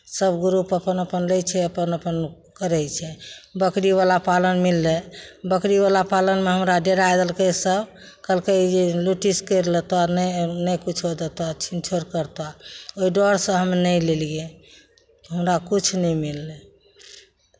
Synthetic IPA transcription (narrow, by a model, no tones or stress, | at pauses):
səbɡɾupəpənəpənləjt͡ʃʰɛəpənəpən | kəɾɛjt͡ʃʰɛbəkɾiβalapalənmilːebəkɾiβalapalənmeɦəmɾaɖeɾajd̪əlkesəb | kəlked͡ʒeluʈiskəɾlet̪onənəjkut͡ʃʰɦod̪et̪ɔt͡ʃʰint͡ʃʰoɾkəɾt̪aoiɖɔɾsə̃ɦəmenəjlelje | ɦəmɾakut͡ʃʰnəmilːe